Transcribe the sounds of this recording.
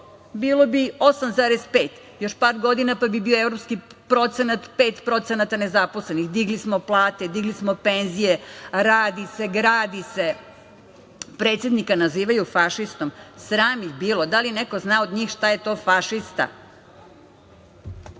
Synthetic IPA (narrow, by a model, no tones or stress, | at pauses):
biːlobio̞samzaːɾespe̞ːt̪ | jo̞ʃpaːɾɡo̞d̪inapabibiːoeʋɾopskipɾo̞t̪senat̪peːt̪pɾo̞t̪senat̪ane̞zaposlenixd̪iɡlismoplˠaːt̪e̞d̪iɡlismope̞nzijeɾaːd̪ise̞ɡɾaːd̪ise̞ | pɾe̞ːt̪sje̞d̪nikanaziːʋajufaʃist̪o̞msɾaːmibiːlˠo̞d̪alineko̞znaːod̪ɲiːxʃt̪ajet̪o̞ːfaʃist̪a̰